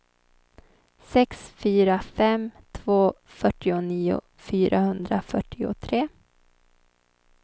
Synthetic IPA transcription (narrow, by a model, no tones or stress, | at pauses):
sɛksfyːɾafɛmt̪ʰvoː | fœʈːɪʊniːʊ̰ | fyːɾʔahɵnd̪ɾafœʈːɪʊ̰t̪ʰɾeː